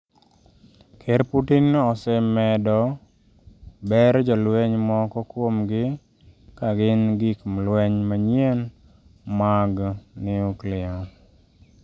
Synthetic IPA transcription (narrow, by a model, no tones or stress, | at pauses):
kʰeɾputinɔsɛmɛdɔ | bɛɾd͡ʒɔlweɲmɔkɔkwomɡɪ | kaɡɪnɡɪkmlwɛɲmaɲjen | maɡnɪuklɪɔn